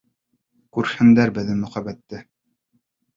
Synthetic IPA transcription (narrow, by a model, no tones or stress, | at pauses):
kʉɾhɘ̆nd̪æɾbɘ̆ðɘmɵ̆χæbæt̪ːɘ